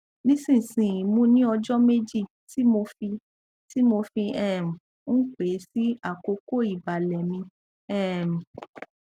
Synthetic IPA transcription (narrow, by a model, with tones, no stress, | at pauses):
nĩ˦sĩ˦˨sĩ˨ĩ˨mũ˨˦nĩ˦ɔ˧d͡ʒɔ˦me˦d͡ʒi˦˨ | ti˨˦mo˧fi˧ | ti˦mo˧fi˧ɛ˦˨m̩˨˦ | k͡pe˨˦si˦a˦˨ko˧ko˦˨i˨ba˨lɛ˨mĩ˧ | ɛ˦˨m̩̃˨